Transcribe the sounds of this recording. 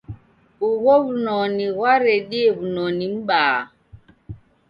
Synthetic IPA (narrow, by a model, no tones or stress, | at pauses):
uɣoβunɔniɣwaɾeɗieβunɔnim̩ɓaː